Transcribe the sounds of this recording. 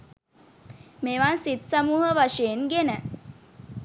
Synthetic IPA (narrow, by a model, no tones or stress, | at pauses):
meʋansit̪səmuːɦəʋaʂeːnɡenə